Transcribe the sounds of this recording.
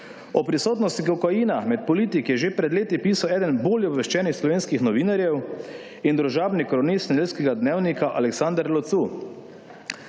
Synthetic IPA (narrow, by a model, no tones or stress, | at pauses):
ɔpɾisoːt̪nɔst̪ikɔkajiːnamɛt̪̚pɔliːt̪ikjɛʒepɾɛd̪leːt̪ipiːsawɛːd̪ənboːljɛɔbʋɛʃt͡ʃɛːnixslɔʋeːnskixnɔʋiːnaɾjɛw | ind̪ɾuʒaːbnikɾɔnist̪nɛdelskɛɡad̪neːwnikaʔa̰lɛksand̪ɾlɔt̪su